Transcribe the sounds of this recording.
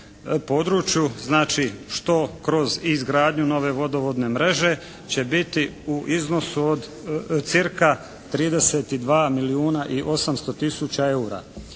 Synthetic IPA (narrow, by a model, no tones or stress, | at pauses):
po̞d̪ɾut͡ʃjuznaːt͡ʃiʃt̪o̞kɾo̞zizɡɾaːd̪ɲuno̞ʋe̞ʋo̞d̪o̞ʋod̪ne̞mɾe̞ʒe̞ | t͡ɕe̞bit̪iuʔizno̞suod̪ | t̪siɾka | t̪ɾiːd̪e̞set̪id̪ʋaːmiliuːnaʔiʔo̞samst̪o̞t̪isut͡ɕae̞uɾa̰